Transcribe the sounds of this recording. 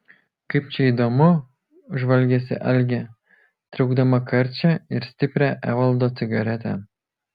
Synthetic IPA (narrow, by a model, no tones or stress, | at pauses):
kɐɪp̚t͡ʃʲɛid̪oːmʊ | ʒʋɐlʲɡʲɛsʲɪ̰ʔɛlʲɡʲɛ | t̪ʲɾʲɛʊɡd̪ɐmɐkɐɾʲt͡ʃʲɛɪɾsʲt̪ʲɪpʲɾʲæʔæːʋɐlˠd̪oːt̪sʲɪɡɐɾʲɛt̪ʲɛ̰